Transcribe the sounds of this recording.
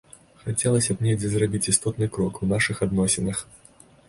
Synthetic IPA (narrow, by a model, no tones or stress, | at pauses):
xat͡sʲɛlˠɐsʲɐpnʲejd͡zʲɛzrabʲit͡sʲist̪ɔt̪nɨkɾɔkunaʂɨxad̪nɔsʲɛnɐx